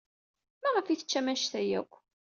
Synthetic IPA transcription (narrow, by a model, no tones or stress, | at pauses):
mæʁəfiθə̥t͡ʃːæmæʃθæjæ̰kʷː